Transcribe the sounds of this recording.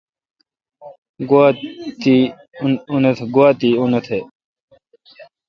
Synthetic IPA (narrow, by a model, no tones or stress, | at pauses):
ɡuat̪i | unt̪ʰɡwaːt̪iːunɐt̪ʰe